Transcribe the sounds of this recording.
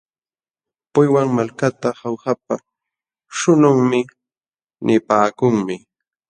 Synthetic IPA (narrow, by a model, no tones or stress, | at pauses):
pʊjwaŋmalkat̪ahawhap̚a | ʃʊnʊŋmɪ | nʔɪpaːkʊŋmɪ